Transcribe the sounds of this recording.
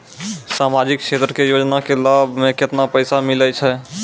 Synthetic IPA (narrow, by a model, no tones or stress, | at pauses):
saːmad͡ʒɪkʃet̪ɾəkejoːd͡ʒnakelaːbʱmẽkɪt̪napəɪsamɪlət͡ʃʰɛ